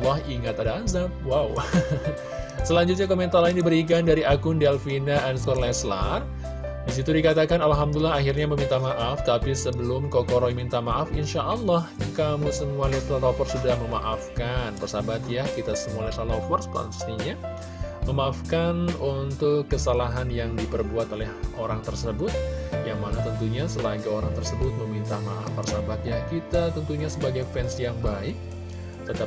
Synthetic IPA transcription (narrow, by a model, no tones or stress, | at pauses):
lːɔhiŋat̪adaanzap̚waw | səlaɲd͡ʒut̪̚ɲakomɛnt̪arlaɪndibəɾik̬andaɾiʔakʊndialfinaʔanskɔɾlasla̰r | dis̬it̪udikat̪akanalɦamd̪ulaɦaɦirɲaməmint̪amaʔaft̪apisəbəlʊmkokɔɾoimint̪amaʔafinʃaʔːlːɑhkamusəmualɛt̪ɾɔɾɔpɔrsudahməma̰ʔafkanpərsabat̪jakit̪asəmualet̪alɔfɔrspla̰nsi̥sniɲa | məmaʔːfkanunt̪ʊkːəsalaɦanjaŋdipərbuat̪olɛhʔoɾaŋt̪ərsəbʊt̪̚jaŋmanat̪ənt̪uɲasəlaɡaoɾaŋt̪ərsəbʊt̪̚məmint̪amaʔa̰fpərsabat̪jahkit̪at̪ənt̪uɲasəbaɡajfɛnsijaŋbaɪk | t̪ət̪a